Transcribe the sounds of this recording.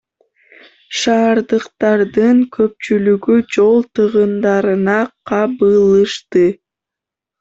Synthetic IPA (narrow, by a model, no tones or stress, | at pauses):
ʃɑːɾd̪ɯqt̪ɑɾd̪ɯŋkʰø̞p̚t͡ʃylyɡyd͡ʒo̞lˠt̪ɯʁɯnd̪ɑɾɯnɑqʰɑbɯlˠɯʃt̪ɯ